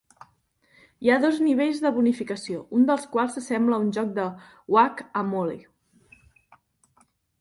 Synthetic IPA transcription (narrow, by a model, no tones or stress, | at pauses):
iaðozniβ̞eʎzðəβunifikəsiound̪əlˠskwalˠsːəsɛmbləunʲʒɔk̚d̪ə | wakəmolḭ